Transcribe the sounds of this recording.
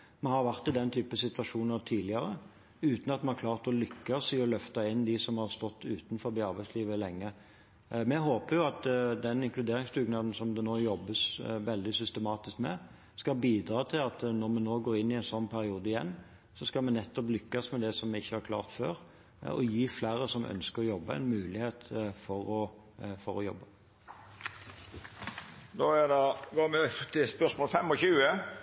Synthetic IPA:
mɛhɑɾʋæʁt̪ɪd̪ɛnt̪ʰyːpəsɪt̪ʋɑʂuːnəɾt̪ʰiːd̪lɪɑɾə | ʉːt̪n̩ɑt̪mɛnhæɾkʰlɑːʁt̪ɔlʏkːɑsɪɔlœft̪ɑɪnːd̪ɪsɔmhɑɾst̪ɔt̪ːʉːt̪n̩fɔɾbɪɑɾbæɪsliːʋəlɛŋːə | mɛɦoːpəɾjʊɑt̪d̪ɛnɪŋklʉd̪eːɾɪŋst̪ʰʉːɡnɑːd̪n̩sɔmd̪ɛnoːjɔbːəsʋɛld̪ɪsʏst̪əmɑːt̪ɪskmɛ̰ | skɑlbiːd̪ɾɑːt̪ʰɪlɑt̪nɔʁmɛnoːɡoːɾɪnːɪɛɪnsɔnːpʰæɾɪuːd̪əɪjɛ̰nː | sɔskɑlmɛnɛt̪ːɔplʏkːɑsmɛd̪ɛsɔmɛɪçːəhɑɾkʰlɑ̰ːʁt̪fø̰ːɾ | ɔ̰jiːflæːɾəsɔmʔœ̰nskəɾɔjɔbːəɛ̰ɪnmʉːlɪheːt̪fɔɾɔ | fɔɾɔjɔ̰bːə | d̪oːæd̪ɛɡoːmɛt̪ʰɪspœʂmoːlfɛmɔçʉːə

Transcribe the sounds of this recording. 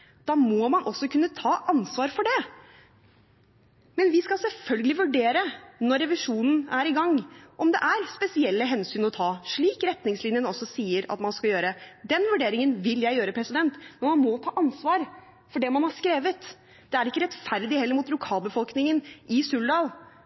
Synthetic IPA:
d̪̥ɑːmɔmɑnʔɔsːɔkʰʉnːət̪ʰɑːʔɑnsʋɑːɾfɔɖɛ | mɛnʋɪskɑlsɛlfœlɡəlɪʋʉɖeːɾənɔɾːɛʋɪʂuːnn̩æɾɪɡɑŋːʔɔmd̪ɛ̰ʔæɾspɛsɪɛlːəɦɛnsyːnɔt̪ʰɑːʂɭiːkɾɛt̪nɪŋslɪnjənɔsːɔsiːəɾɑ̰t̪mɑnskɑljøːɾəd̪ɛnʋʉɖeːɾɪŋənʋɪljæɪjøːɾəpʰɾɛsɪd̪ɛnt̪mɛnmɑnmɔt̪ʰɑːʔɑnsʋɑːɾ | fɔɖɛmɑnhɑʂkɾeːʋət̪ | d̪̥ɛæɾɪkːəɾɛt̪fæɾd̪ɪhɛlːəɾmʊːt̪̚lʊkʰɑːlˠbəfɔlknɪŋənʔɪsʉlɖɑːl

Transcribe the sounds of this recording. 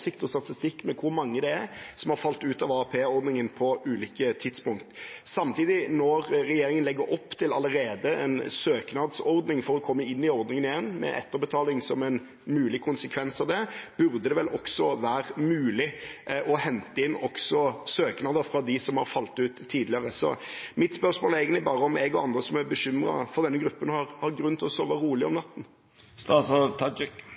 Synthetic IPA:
sɪk̚t̪ɔst̪ɑt̪ɪst̪ɪkːmɛkʰʊɾmɑŋːəd̪ɛæɾsɔmhɑɾfɑlt̪ʉːt̪ɑʋɑːɑpʰeːɔɾd̪nɪŋənpʰɔʉːliːkət̪ʰɪd̪spʊŋkt̪sɑmt̪ʰiːd̪ɪnɔɾɾɛjeːɾɪŋənlɛɡːəɾɔpːt̪ʰɪlɑlːəɾeːd̪əʔɛ̰nsøːknɑd̪sɔɾd̪nɪŋfɔɾɔkʰɔmːəɪnːɪɔɾd̪nɪŋənɪjɛnːmɛ̰ʔɛ̰t̪ːəɾbət̪ʰɑːlɪŋsɔmɛn | mʉːlɪkʰʊnsəkʰʋɛnsɑʋd̪ɛb̥ʉɾd̪əd̪ɛʋɛlʔɔksɔʋæːɾmʉːlɪʔɔhɛnt̪əɪnːɔksɔsøːknɑd̪əɾfɾʁɑd̪ɪsɔmhɑ̰ɾfɑlt̪ʉːt̪ʰːiːd̪lɪəɾəsɔ̰mɪt̪spœɾsmoːləɾæɪɡəlɪbɑːʁəɔmɛɡɔɑnd̪ʁəsɔmæbəɕʏmɾɑ̰fɔʁd̪ɛnːəɡɾʉpːənhɑɾhɑɾɡɾʉnːət̪ʰɔsɔʋɑɾuːlɪɔmnɑt̪ːn̩ | st̪ɑsɔt̪ʰɑd͡ʒɪk

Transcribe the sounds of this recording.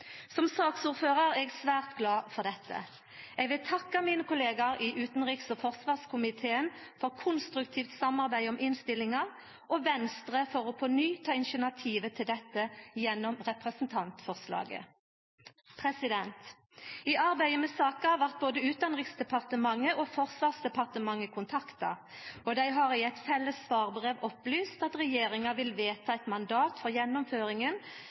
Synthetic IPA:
sɔmsɑːksuːʁføːʁɑʁɛɡsʋæːʁt̪ɡlɑːfɔʁd̪ɛt̪ʰːə̰ | ɛɡʋɪlt̪ʰɑkːəmiːnəkʰʊleːɡɑɾiʔʉːt̪n̩ʁiːksɔfɔʁsʋɑːʁskʰʊmɪt̪ʰeːən | fɔʁkʰʊnst̪ʁʉkt̪ʰiːft̪sɑmɑʁbæɪɔmʔɪnst̪ɪlːɪŋɑ | ʔɔʋɛnst̪ʁəfɔʁɔpʰɔnyːt̪ʰɑːɪnʃənɑt̪ʰiːʋət̪ʰɪld̪ɛt̪ːəjɛnːɔmʁɛpʁɛsn̩t̪ʰɑnt̪fɔʁslɑ̰ːɡə̰ | pʰʁɛsɪd̪ɛnt̪ | iʔɑʁbæɪəmɛsɑːkəɑʋæʁt̪̚boːd̪əʉːt̪ɑnʁɪksd̪ɛpʰɑʁt̪əmɑŋːəʔɔfɔʁsʋɑːʁsd̪ɛpɑʁt̪əmɑŋːəkʰʊnt̪ʰɑkt̪ɑ̰ | ɔd̪æɪɦɑʁɪɛt̪fɛlːəsːʋɑːʁbʁeːʋɔplyːst̪ɑt̪ʁɛjeːɾɪŋɑʋɪlʋeːt̪ʰɑɛt̪mɑnd̪ɑːt̪fɔʁjɛnːɔmføːʁɪŋən

